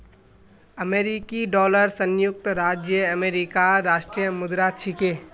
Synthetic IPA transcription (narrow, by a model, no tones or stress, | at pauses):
əmeːɾikiɖɔːləɾsə̃njʊk̚t̪ɾaːd͡ʒjəɐmeːɾɪkaɾaːʃʈɾijəmʊd̪ɾat͡ʃʰike